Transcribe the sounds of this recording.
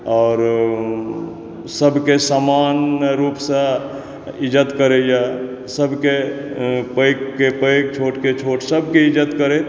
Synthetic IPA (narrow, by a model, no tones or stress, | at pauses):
ɔːɾ | səbʱkesamanɾupsə̃ | id͡ʒət̪kəɾeja | səbʱke | pəjkkepəjk̚t͡ʃʰoʈket͡ʃʰoʈsəbʱkeid͡ʒət̪kəɾe